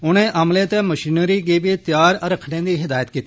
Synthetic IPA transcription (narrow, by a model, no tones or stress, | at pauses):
ʊɽ̤̃ẽʔɐmlẽt̪emɐʃiːnəɾiɡebit̪jaːɾɾəkʰɽẽd̪iːɦɪd̪aːjət̪kiːt̪i